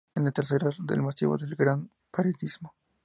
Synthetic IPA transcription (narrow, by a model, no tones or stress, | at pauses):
enlat̪eɾθeɾaɾd̪ḛlmasḭβo̰ðelɡɾan | paɾed̪izmo